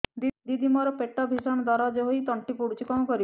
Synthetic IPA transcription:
d̪id̪imɔɾɔpeʈːɔbʱisɔnɔd̪ɔɾad͡ʒɔɦojt̪ɔɳʈipuɽut͡ʃʰikɔmkɔɾib

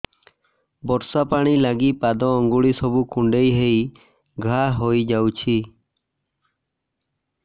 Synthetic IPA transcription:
bɔɾsapaɽ̃ilaɡipad̪ɔːŋɡuɭisɔbukuɳɖejɦej | ɡʱaɦojd͡ʒawt͡ʃʰi

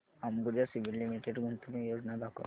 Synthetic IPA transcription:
amɡuɾjasiʋilːimiʈeɖɡʱunt̪umijod͡znad̪akʰo̰

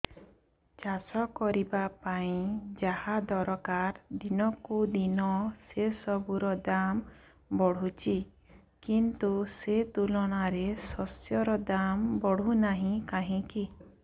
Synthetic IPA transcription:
t͡ʃasɔkɔɾibapaĩd͡ʒahad̪ɔɾɔkaɾd̪inɔkud̪inɔsesɔbuɾɔd̪am | bɔɽ̤ut͡ʃʰi | kint̪uset̪ulɔɽ̃aɾesɔsjɔɾɔd̪ambɔɽ̤unaɦĩkaɦĩki

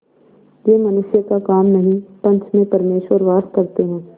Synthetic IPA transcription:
jeːmɐnʊʃjəkakaːmnɐɦĩpɐ̃nt̪ʰmẽpɐɾmeːʃwəɾʋaːɾskɐɾt̪eɦɛ̃ː

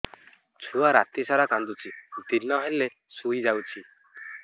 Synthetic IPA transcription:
t͡ʃʰuaɾa̰t̪isaɾakand̪ut͡ʃʰid̪inːɔɦele | sujd͡ʒawt͡ʃʰi

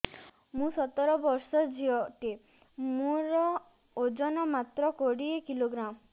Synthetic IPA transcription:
mũsɔt̪ɔɾɔbɔɾsɔd͡ʒiɔʈi | mũɾɔ | od͡ʒɔnɔmat̪ɾɔkoɽiekiloɡɾam

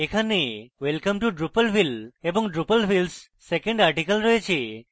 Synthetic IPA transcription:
ekʰaneʋelkəmʈuɖɾupəlfilebɔ̃ŋɖɾupəlfilsː | ekə̃ɳɖaɾʈikəlɾɔet͡ʃʰe

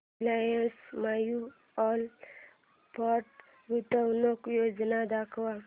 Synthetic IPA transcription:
lajəsmaju | ɔl | paʈ | ɡut̪əwnokjod͡ʒnad̪akʰwa

